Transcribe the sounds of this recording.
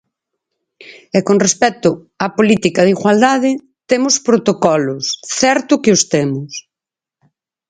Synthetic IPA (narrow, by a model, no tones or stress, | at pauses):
ɛkonrespɛt̪ʊ | apolit̪ikɐðiɣwald̪aðɪ | t̪emʊspɾot̪okɔlʊsθɛɾt̪ʊkɪʊst̪emʊs